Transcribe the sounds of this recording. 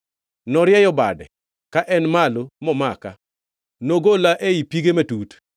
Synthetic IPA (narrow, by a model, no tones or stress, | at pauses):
nɔɾjɛjɔba̰dɛ̰ | kaʔɛnmalomɔmaka̰ | noɡolaʔeipiɡemɛtut